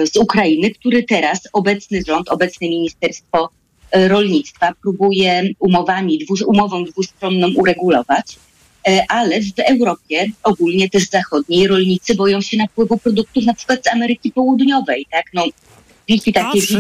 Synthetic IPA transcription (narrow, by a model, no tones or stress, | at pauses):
zukɾajinɘkt̪uɾɘt̪ɛɾasɔbɛt̪snɘʐɔnt̪ʰɔbɛt̪snɛmʲiɲist̪ɛɾst̪fɔ | ɾɔlɲit̪st̪fapɾubujɛumɔvamʲid̪vuumɔvɔ̃w̃d̪vust̪ɾɔnːɔ̃w̃ʔuɾɛɡulɔvat͡ɕ | ʔalɛvɛwɾɔpʲjɛɔɡulɲɛt̪ɛʂzaxɔd̪ɲejɾɔlɲit̪sɘbɔjɔ̃w̃ɕɛnafpwɘvupɾɔd̪uk̚t̪ufnapʂɘ̥kwat̪d̪zamɛɾɘkʲipɔwud̪ɲɔvɛjt̪aknɔ | vʲilkʲit̪akʲɛvʲi